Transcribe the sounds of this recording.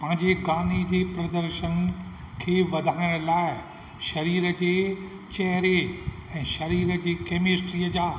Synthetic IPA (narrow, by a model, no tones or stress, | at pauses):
pɐ̃ɦɪ̃ɲd͡ʑeɡaːnid͡ʑeːpɾɐd̪əɾʃən | kʰeːʋɐd̪ʱaːɪɽ̃laːɪ | ʃɐɾiːɾə̆d͡ʑeː | t͡ɕɛɦɾeɛ̃ːʃɐɾiːɾəd͡ʑeːkeːmɪsʈɾiːəd͡ʑaː